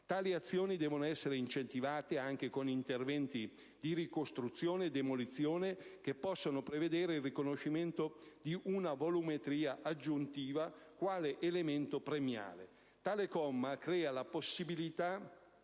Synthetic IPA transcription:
t̪aːliat̪sːjoːnid̪ɛːvonoɛsːeɾeint͡ʃent̪ivaːt̪eaŋk̟ekonint̪ervɛnt̪i | d̪iɾikost̪ɾut̪sːjoːned̪emolit̪sːjoːnek̟epːɔsːonopɾeved̪ɛːɾeilrikonoʃːiment̪od̪iʔunavolumet̪ɾiːaʔad͡ʒːunt̪iːvakwaːleʔelement̪opɾemja̰ːle | t̪aːlekɔmːakɾɛːalaposːibilit̪a

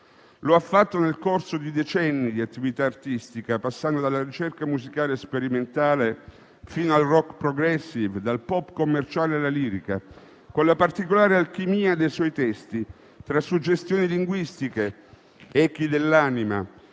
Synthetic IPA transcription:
loafːat̪ːonelkorsod̪id̪et͡ʃɛnːid̪iat̪ːivit̪aːrt̪ist̪ikapasːand̪od̪alːaɾit͡ʃerkamuzikaːlespeɾiment̪aːle | fiːnoalrɔkpɾɔɡɾɛsːivd̪alpɔpːkomːert͡ʃaːlealːaliːɾika | konlapart̪ikolaːɾealkimiːad̪ejswɔjt̪ɛst̪i | t̪ɾasːud͡ʒːest̪joːniliŋɡwist̪ike | ɛkid̪elːaːnima̰

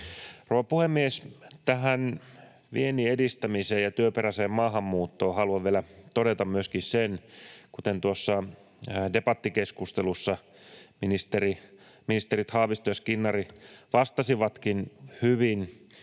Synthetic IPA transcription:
rowʋɑpuhemːiest̪æɦæn | ʋieniedist̪æmiseːjɑt̪yøpeɾæseːmmɑːɦɑmːuːt̪ːoːhɑluɑʋʋielæt̪odet̪ɑmmyøskissenkut̪ent̪uosːɑ | depɑt̪ːikeskust̪elusːɑ | minist̪eri | minist̪eɾit̪hɑːʋist̪ojɑskinːɑriʋɑst̪ɑsiʋɑt̪kinhyʋin

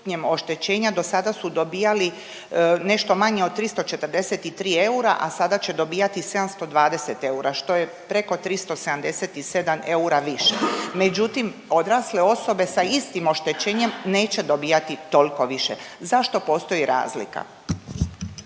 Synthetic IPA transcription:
ɲe̞mo̞ʃt̪e̞t͡ɕe̞ːɲad̪o̞sad̪asud̪o̞biːjali | ne̞ʃt̪o̞maɲe̞ot̪t̪ːɾist̪o̞t͡ʃe̞t̪ərd̪e̞set̪it̪ɾiːe̞uɾa̰ʔasad̪at͡ɕe̞d̪o̞biːjat̪ise̞d̪amst̪o̞d̪ʋaːd̪e̞set̪e̞uɾaʃt̪o̞je | pɾe̞ko̞t̪ɾist̪o̞sed̪amd̪e̞set̪ise̞d̪amʔe̞uɾaʋiʃeme̞d͡ʑut̪imo̞d̪ɾaːsleo̞so̞be̞saist̪imo̞ʃt̪e̞t͡ɕe̞ːɲe̞mne̞ːt͡ɕe̞d̪o̞biːjat̪it̪o̞lko̞ʋiʃḛzaʃt̪o̞po̞st̪o̞jiɾa̰ːzlḭka̰

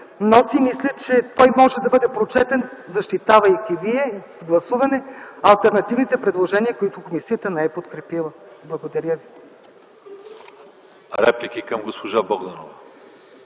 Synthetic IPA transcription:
nosimislʲət͡ʃɛt̪ɔjmɔʒɛd̪ɐbɤd̪ɛpɾot͡ʃɛt̪ɛnzɐʃt̪it̪avɐjkʲiviɛzɡlˠɐsuvɐnɛɐlˠt̪ɛɾnɐt̪ivnit̪ɛpɾɛd̪lˠoʒɛniɐkoit̪ʊkomisijət̪ənɛɛpot̪kɾɛpilˠəblˠɐɡod̪ɐɾjəvi | ɾɛplʲikikəmɡospoʒaboɡd̪ɐno̰vɐ

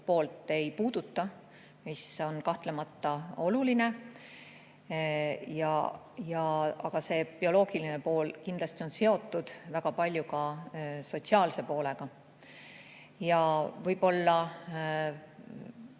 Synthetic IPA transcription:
po̞ːlt̪ːˑe̞jpuːd̪̥ut̪ːˑɑ | miso̞nkɑht̪lemɑt̪ːɑo̞luline̞ | jɑ̰ | jɑɑɡ̥ɑse̞pio̞lo̞ːɡ̥iline̞po̞ːlkind̪lɑsʲt̪io̞nse̞o̞t̪ːˑud̪̥væɡ̥ɑpɑlʲjukɑso̞t̪siɑːlse̞po̞ːle̞ɡ̥ɑ | jɑvɤjbo̞lːɑ

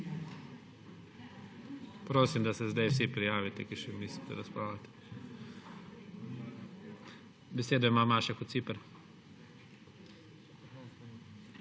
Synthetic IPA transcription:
pɾoːsimd̪asɛzd̪ajwsipɾijaːʋit̪ɛkiʃɛmnisit̪ɛ̰ɾaspɾaːwlat̪ɛ̥ | bɛseːd̪ɔjmaːmaːʃɛkɔt̪sipəɾ

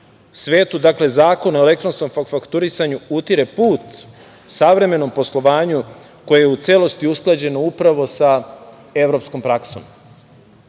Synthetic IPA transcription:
sʋe̞ːt̪ud̪akle̞zaːkonoele̞k̚t̪ɾo̞nsko̞mfakfakt̪uɾisaɲuut̪iɾepuːt̪ | saʋɾe̞me̞no̞mposlˠo̞ʋaːɲu | ko̞jejeut̪selo̞st̪iusklˠad͡ʑe̞noupɾaʋo̞sa | e̞ʋɾo̞psko̞mpɾakso̰m

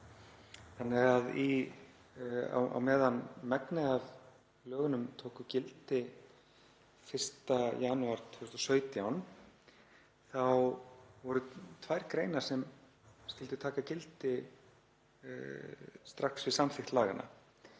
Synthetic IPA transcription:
θanːɪɣaði | a̰wa̰wmɛːðanmɛknɪðav | lœːɣʏnʏmt̪ʰowkʏcɪlt̪ɪ | fɪr̥st̪ajaːnʏaɾ̥t̪ʰʏst̪ɔsœːɥt̪jawn | θawvɔɾʏt̪ʰvajɾkɾejnḁsɛm | scɪlt̪ɪ̥t̪ʰaːkacɪlt̪ɪ | st̪ɾaksvɪðsamθɪxt̪laːɣa̰nʔa̰

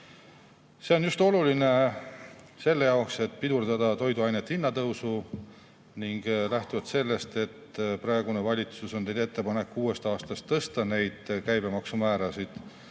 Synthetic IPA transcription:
se̞o̞njust̪o̞luline̞ | se̞lːejɑokse̞t̪ːˑpid̪urd̪ɑd̪̥ɑt̪o̞jd̪uɑjnet̪ːˑinːɑt̪ɤwsu | niŋɡ̥læht̪uvɑt̪se̞lːe̞st̪e̞t̪prɑe̞ɡ̥unevɑlʲit̪susone̞jd̪e̞t̪ːe̞pɑne̞kːuːe̞st̪ɑːst̪ɑst̪ːɤst̪ɑne̞jd̪̥kæjbe̞mɑksumæːɾɑsid̪̥

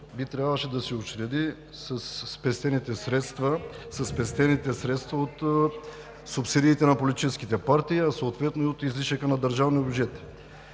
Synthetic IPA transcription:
bit̪ɾʲjabvəʃɛd̪ɐsɛot͡ʃɾɛd̪i | sɐsːpɛst̪ɛnit̪ɛsɾɛt̪st̪vɐsɐsːpɛst̪ɛnit̪ɛsɾɛt̪st̪vɐot̪ | sʊpsid̪iːt̪ɛnɐpolit̪it͡ʃɛskit̪ɛpaɾt̪iːɐsoːt̪vɛt̪noiot̪izliʃəkənɐd̪əɾʒavniobd͡ʒɛt̪

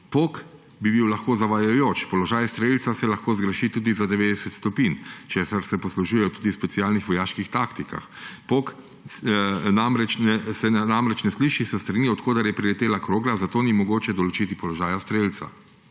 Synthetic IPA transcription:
pok | bibiwlɐxkoːzaʋajajoːt͡ʃpɔlɔʒaːjst̪ɾelt̪sasɛlaxkoːzɡɾəʃit̪uːd̪izad̪ɛʋeːd̪ɛsɛt̪st̪ɔpint͡ʃesaɾsɛpɔsluʒujɛjɔt̪uːd̪ispɛtsiaːlnixʋɔjaːʃkixt̪aːkt̪ika̰xpoːk | namɾɛt͡ʃnɛsɛnamɾɛt͡ʃnɛsliːʃisəst̪ɾaniɔt̪koːd̪ɐɾjɛpɾilɛt̪eːlakɾoːɡlazat̪oːnimɔɡoːt͡ʃɛd̪ɔlɔt͡ʃit̪ipɔlɔʒaːjast̪ɾelt̪sa̰

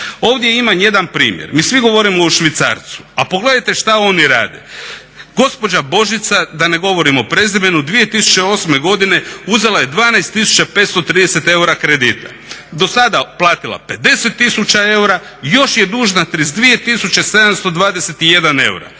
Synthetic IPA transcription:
o̞ːʋd̪je̞imanje̞d̪anpɾḭːmjḛɾmiːsʋiɡo̞ʋo̞ɾimo̞uʃʋit̪sa̰ɾt̪su̥apo̞ɡle̞d̪ajt̪e̞ʃt̪ao̞niɾa̰ːd̪ḛ | ɡ̥o̞spo̞d͡ʒabo̞ʒit̪sad̪ane̞ɡo̞ʋo̞ɾimo̞pɾe̞zibenud̪ʋije̞t̪isu̥t͡ɕeo̞sme̞ɡo̞d̪ine̞uzelajed̪ʋaːnajst̪ːisu̥t͡ɕapeːt̪st̪o̞t̪ɾiːd̪ese̞t̪e̞uɾakɾe̞d̪iːt̪a̰ | d̪o̞sad̪aplˠaːt̪ilˠa̰pe̞d̪e̞se̞t̪ːisut͡ʃae̞uɾa | jo̞ʃje̞d̪uːʒnat̪ɾizd̪ʋije̞t̪isut͡ɕe̞se̞d̪amst̪o̞d̪ʋaːd̪ese̞t̪ije̞d̪ane̞̰uɾa̰

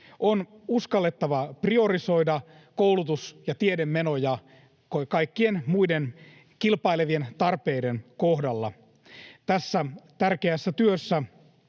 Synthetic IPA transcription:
ʔonuskɑlːet̪ːɑʋɑprio̞riso̞jdɑ | kowlut̪usjɑt̪iedemːeno̞jɑ | kokɑikːienmuiden | kilpɑileʋie̞nt̪ɑrpe̞jde̞nkohdɑlːɑ̰ | t̪æsːæt̪ærkeæsːæt̪yøsːæ

